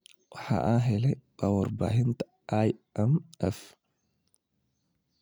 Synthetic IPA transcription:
ha̰ʔaːɦɛlɛkʼɐwɔɾba̰ːhɪnt̪ɐ̥ | ajɛmɛf

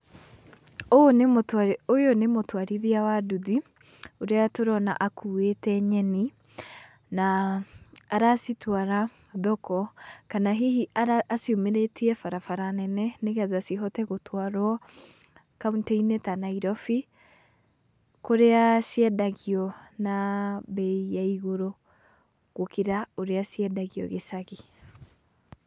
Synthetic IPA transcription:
onemotaojonemotwaɾiðiawaduði | oɾeatoɾɔna̰ʔakuwetɛɲɛni | naː | ɾasitwaɾaðɔkɔkanaɦiɦiʔaaːsiomeɾetʰiɛfaɾafaɾanɛnɛneɣaðasiɦɔtɛɣotʰwaɾwa | kauntɛinetanaiɾɔfi | koɾeasiɛdaɣiɔnabɛijaiɣoɾo | ɣ̥okiɾaoɾeasiɛdaɣiɔ̰ɣesaɣi

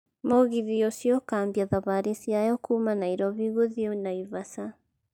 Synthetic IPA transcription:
moɣiðiɔsjɔkaːmbiaðaβaɾisijajɔkumanaiɾɔβiɣoðiɔnaiβasa

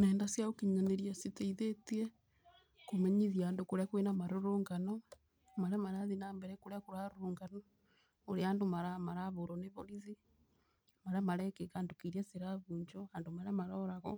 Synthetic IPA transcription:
neːndasjaokiɲaneɾjasiteiðetie | komeɲiðjaːndokoɾjakenamaɾoɾoŋɡano | maɾamaɾaðinaːmbɛɾekoɾakoɾaɾoɾoːŋɡano | oɾeaːndomaɾamaɾaβoɾoneβoɾiði | maɾamaɾekekandokiɾesiɾaβuːɲd͡ʒoandomaɾamaɾoɾaɣɔ

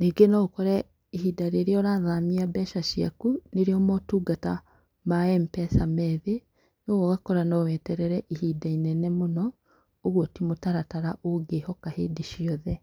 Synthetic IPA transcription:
neɡenɔokɔɾɛ | ihidaɾeːɾiɔɾaːðamiabɛːʃaʃia̰kuneɾiɔmɔtuːɡata | maɛmpɛsamɛðe | noɣoɣakɔɾanɔwɛːtɛɾɛɾɛʔihidainɛnɛmonɔ | oɣwotimotaɾataɾaʔoɡehɔkaheːdiʃiɔðɛ

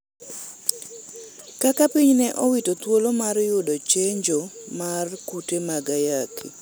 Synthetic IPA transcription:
kakapiɲnɛʔɔwitot̪wolomarjʊdot͡ʃeɲd͡ʒomarkutemaɡajakʰi

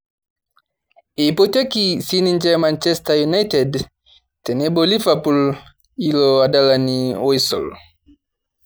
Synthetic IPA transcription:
eipɔtɛkisinind͡ʒɛmant͡ʃɛstajunajtɛd | tɛnɛbɔlivapul | ilɔadalaniɔjsɔ̰l

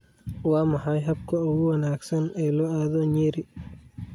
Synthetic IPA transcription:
waːmɐħɐjɦɐb̚kʰɐʊɣʊwɐnaːɡsɐnɛːlɔːaːðɔɲɛːɾɪ

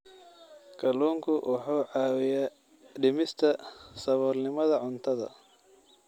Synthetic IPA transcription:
kʰɐluːŋkʰʊwʔɑħuːʕɑːwɪjaː | ɖɪmɪst̪ʰɐsɐβɔːrnɪmɐðɐʕʊnt̪ʰɐðɐ̰

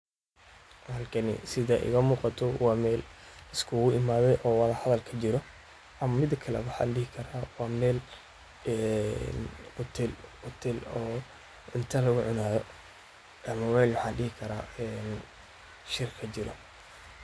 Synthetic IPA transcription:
hɐlkʰɐnɪ̰sɪðaːʔɪ̰ɣɐmuːqɑt̪ʰɔwɑːmɛːlɪskʰʊɣʊʔɪmaːðɛjʔɔːwɑðɐhɐðɐlkʰɐt͡ʃɪɾɔ | ʔɐmmɪd̪kʰɐlɛ̰wɑħɑ̰nɖɪhɪkʰɐɾaːwɑːmɛːl | ɛnʊt̪ʰɪlʊt̪ʰɛlɔː | ɪnt̪ʰɐlɐɣʊʕʊnaːðɔ | ʔɐmɐwɛːlwɑħɑːnɖɪhɪkʰɐɾa̰ːɛːn | ʃɪrkʰɐt͡ʃɪɾɐ̰

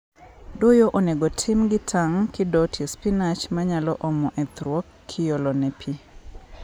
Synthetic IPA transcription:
dojoʔoneɡotʰɪmɡɪtʰaŋkɪdɔtjespinat͡ʃmaɲalɔʔɔmɔʔɛt̪ɾwɔkːʰɪjolɔnɛpʰi

